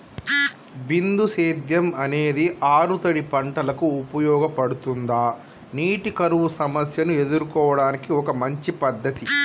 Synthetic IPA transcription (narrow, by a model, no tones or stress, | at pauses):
bind̪useːd̪jɐmɐne̞ːd̪iʔaːɾut̪ɐɽipɐɳʈɐlɐkuːpɐjɔːɡɐpɐɽut̪und̪aː | niːʈikɐɾuʋusɐmɐsjɐnue̞d̪uɾukɔːʋɐɽaːnikiɔkɐmɐɲt͡ʃipɐd̪ːɐt̪i